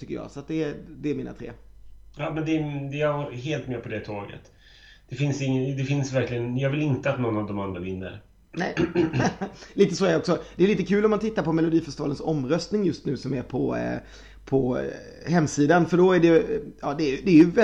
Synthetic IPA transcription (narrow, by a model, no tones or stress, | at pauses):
t̪ʏkːə̰jɑ̰ːsɔat̪̚d̪ɛːd̪ɛæmiːna̰t̪ʰɾḛːjɑːmɛnd̪ɛd̪ɛjaɦeːlt̪mɛpʰɔd̪ɛt̪ʰɑːɡə̰t̪ | d̪̥ɛfɪnsɪŋːəd̪ɛfɪnsvæɾklɪənjɑːɡvɪlɪnt̪əat̪nɔnːavd̪ɔmand̪ɾavɪnːə̰ɾ | nɛ̰j | liːt̪əsoːæɖɛɔksɔd̪̥ɛːliːt̪əkʰʉ̟ːlɔmant̪ʰɪt̪ːaɾpʰɔmɛlʊd̪iːfœʂtɪʋɑːlənsɔmɾœst̪nɪŋjɵst̪nʉ̟ːsɔmæɾpʰɔ | pʰɔ | hɛmːsiːd̪anfœɖɔæɖɛɑːd̪ɛːjd̪ɛːɾjɵvɛ